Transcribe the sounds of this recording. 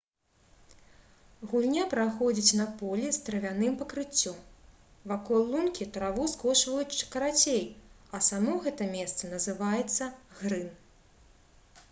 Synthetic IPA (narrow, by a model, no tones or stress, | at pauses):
ɣulʲnʲapɾaxɔd͡zʲit͡sʲnɐpɔlʲist̪ɾɐvʲanɨmpɐkɾɨt͡sʲːɔm | vakɔlˠːunkʲit̪ɾavuskɔʂvɐjut͡sʲt͡ʂɨ̥kɐɾat͡sʲej | ɐsamɔɣɛt̪ɐmʲɛst̪sɐnɐzɨvajɛt̪sːɐɣɾɨn